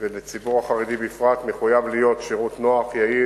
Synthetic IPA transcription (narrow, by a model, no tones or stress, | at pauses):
velet͡sibuʁaχaʁed̪ibifʁat̪meχujavlijo̞t̪ʃeʁut̪no̞aχjai